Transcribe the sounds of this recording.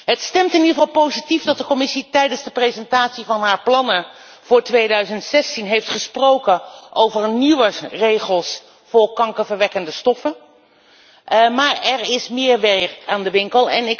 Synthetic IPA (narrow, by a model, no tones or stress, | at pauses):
ɦətstɛmtɪnidəχəvɑlˠpowzitifdɑt̚dəkɔmɪsitɛjdənzdəprezɛntaːtsivɑnɦaːɹplɑnə | v̥ʊːɹtʋejdœɥzəntsɛstinɦejftχəsprowkənʔowvəɹniʋərejχəlˠs | fʊːɹkɑŋkəvəɹʋɛkəndəstɔfə | maːɹɛɹɪsmɪːɹʋɛɹkaːndəʋɪŋkəlˠɛ̰nɪk